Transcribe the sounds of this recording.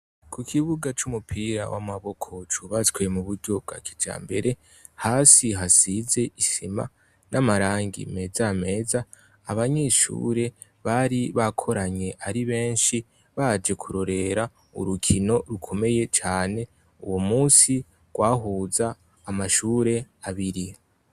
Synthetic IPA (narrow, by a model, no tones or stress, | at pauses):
kʰukʰiβuɡat͡ʃumupʰiːɾa̰wʔa̰maβo̞kʰo̞t͡ʃuβat͡skwemuβuɾɟo̞b̚ɡa̰kʰid͡ʒa̰ːmbe̞ɾe̞ | haːsiɦasize̞ʔisima̰ | namaɾaːŋɡḭme̞zame̞ːzaː | βaɲe̞ʃṵɾe̞ | βaɾiβakʰo̞ɾaɲe̞ʔaɾiβe̞ːnʃi | βad͡ʒe̞kʰuɾo̞ɾe̞ɾa | ṵɾukʰino̞ɾukʰo̞me̞je̞t͡ʃaːne̞ | ṵwomuːsi | ɡ̥waːɦuːzaː | maʃuːɾe̞ | aβiɾi